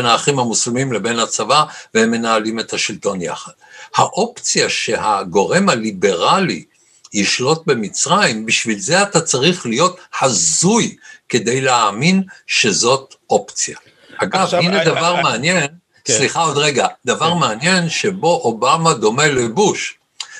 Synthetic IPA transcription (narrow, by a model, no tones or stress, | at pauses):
naːχimamuslimimlebe̞nhat͡savavehemːe̞naːlime̞thaʃilto̞nja̰χad̥̪haʔo̞pt͡sjaʃe̞haɡo̞ʁe̞mhalibe̞ʁalḭ | jiʃlo̞t̚be̞mit͡sʁajimbiʃvilzeatat͡saʁiχlijo̞tħazujke̞de̞jleaːminʃe̞zo̞tʔo̞pt͡sija | aɡavined̪avaʁmeanje̞n | ssliχaodʁeɡad̪avaʁmeanje̞nʃe̞bo̞ʔobamad̪o̞me̞lebuʃ